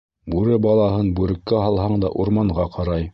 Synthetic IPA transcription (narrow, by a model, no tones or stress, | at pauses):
bʉɾɘbɑlˠɑɦɤnbʉɾɘ̆kːæɦɑlˠɦɑɴd̪ɑ̰ʔuɾmɑɴʁɑqɑɾɑj